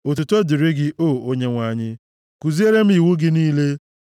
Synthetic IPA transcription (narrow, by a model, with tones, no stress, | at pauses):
o˨tu˨to˦di˨ɾɪ˦ɡɪ˦ʔo˦˨o˦ɲe˦ŋʷa˨ɲɪ˦ | ku˨zi˦e˦ɾe˦m̩˦i˨wu˦ɡɪ˦niː˦le˦